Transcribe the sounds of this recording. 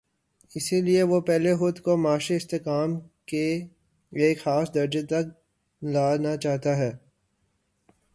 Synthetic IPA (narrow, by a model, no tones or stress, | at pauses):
ɪsilieʋopɛɦlexʊd̪komaːʃeɪst̪eːkaːmke | eːkxaːsd̪ɐɾd͡ʒet̪ɐk̚ | laːnat͡ʃaːɦt̪aɦɛː